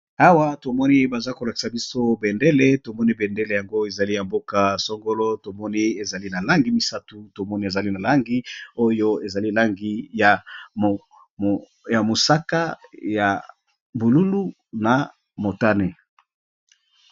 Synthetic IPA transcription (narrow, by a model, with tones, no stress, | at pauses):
a˦wa˦to˨mɔ˦ni˦ba˨za˦ko˨la˨ki̥˨sa˨bi˦so˦be˨nde˦le˦to˨mɔ˦ni˦be˨nde˦le˨ja˨ŋɡo˦e˨za˨li˦ja˨mbo˦ka˦sɔ˦ŋɡo˦lɔ˦to˨mɔ˦ni˦e˨za˨li˦na˨la˦ŋɡi˦mi˦sa˦tu˦to˨mɔ˦ni˦e˨za˨li˦na˨la˦ŋɡi˦o˦jo˦e˨za˨li˦la˦ŋɡi˦ja˨m˨ | ja˨mo˨sa˦ka˦ja˨ | bu˨lu˦lu˦ | na˨ | mo˨ta˦ne˨